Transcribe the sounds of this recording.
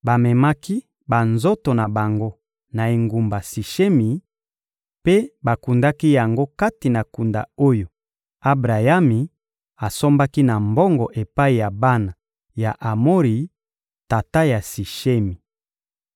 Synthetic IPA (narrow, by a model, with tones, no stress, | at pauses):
ba˨mɛ˨ma˦ki˦ | ba˨nzo˦to˨na˨ba˨ŋɡo˦ | na˨e˨ŋɡu˨mba˨si˨ʃe˦mi˨ | pe˦ba˨ku˨nda˦ki˦ja˨ŋɡo˦ka˦ti˨na˨ku˨nda̰˨o˦jo˨ | a˦bʁa˨ja˦mi˨ | a˨so˦mba˦ki˦na˨mbɔ˦ŋɡɔ˨ʔe˨pa˦i˨ja˨ba˦na˨ | ja˨ʔa˨mo˦ʁi˨ | ta˨ta˦ja˨si˨ʃe˦mi˨